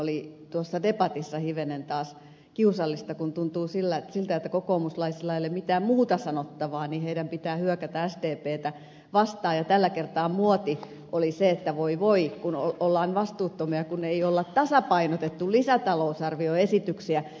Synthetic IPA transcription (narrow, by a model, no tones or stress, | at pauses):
olit̪uosːɑdepɑt̪isːɑhiʋenent̪ɑːs | kiusɑlːist̪ɑkunt̪unt̪uːsilːæsilt̪æet̪ːækokoːmuslɑisilɑelːemmit̪æːmmuːt̪ɑsɑnot̪ːɑʋɑːniːheiɾæmpit̪æːhyøkæt̪ææst̪eːpeːt̪æ | ʋɑst̪ɑːjɑt̪ælːækert̪ɑːmuot̪i | ʔoliseet̪ːæʋoiʋoikunoolːɑːnʋɑst̪uːt̪ːomiɑkuneiolːɑt̪t̪ɑsɑpɑinot̪et̪ːullisæt̪ɑlousɑrʋioesit̪yksiæ